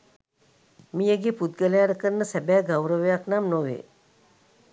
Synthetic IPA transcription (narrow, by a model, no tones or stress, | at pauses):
mijəɡeput̪̚ɡəlaːɾəkəɾnəsæbæːɡawɾəʋejaknamnoʋḛː